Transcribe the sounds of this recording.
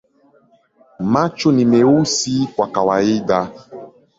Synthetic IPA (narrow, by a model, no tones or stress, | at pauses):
mat͡ʃonimeusikwakawaida